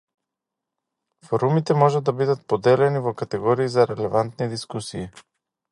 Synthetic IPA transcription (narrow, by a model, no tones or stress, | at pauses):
foɾumit̪ɛmɔʒɛd̪abid̪ət̪pod̪ɛlɛnivokat̪ɛɡɔɾiːzaɾɛlɛvant̪nid̪iskusiː